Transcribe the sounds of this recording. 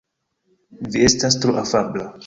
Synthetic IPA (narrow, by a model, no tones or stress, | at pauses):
viestastɾuʔafabla